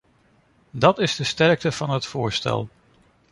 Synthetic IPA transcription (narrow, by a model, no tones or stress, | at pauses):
dɑtɪzdəstɛɹk̚təv̥ɑnɦətfʊːɹstɛ̰lˠ